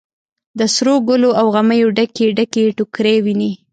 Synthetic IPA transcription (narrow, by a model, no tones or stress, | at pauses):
d̪əsɾoɡʊloʔawɣaməjoɖakeɖakeʈʊkɾewini